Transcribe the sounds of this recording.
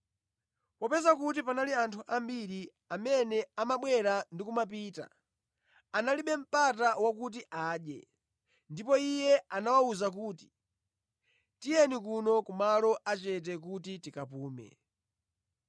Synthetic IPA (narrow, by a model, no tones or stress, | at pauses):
papɛzakut̬ipanaliantʰuʔambiɾi | amɛnɛamaɓwɛɾandikumap̬ita̰ | analiɓɛm̩patawakut̬iʔaːɗjɛ̰ | ndipɔijɛanawauzak̬uːti̥ | tijɛnikunɔkumalɔʔat͡ʃɛt̬ɛkutitikapuːmɛ̰